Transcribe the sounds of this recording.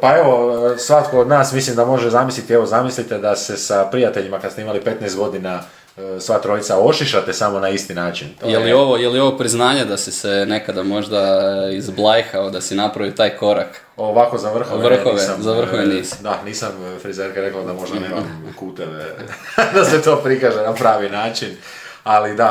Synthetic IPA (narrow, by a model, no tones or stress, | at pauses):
pae̞ʋo̞sʋat̪koːd̪naːsmislimd̪amo̞ʒezamislit̪ieʋo̞zamislit̪ed̪asesapɾijat̪e̞ʎimakad̪st̪eimalipe̞t̪najst̪ɡo̞d̪ina | sʋaːt̪ɾo̞it̪sao̞ʃiʃat̪esamo̞naist̪inaːt͡ʃinjelio̞ʋo̞jelio̞ʋopɾiznaːɲed̪asisene̞kad̪amo̞ʒd̪aizblˠajxaod̪asinapɾaʋit̪aːjko̞ɾak | oʋakozaʋr̩xoʋr̩xoʋeamzaʋr̩xoʋeniːsi̥d̪aniːsamfɾizeɾkaɾeklˠad̪amo̞ʒd̪nemamkuːt̪eʋḛd̪aset̪oːpɾikaʒenapɾaːʋinaːt͡ʃin | alid̪a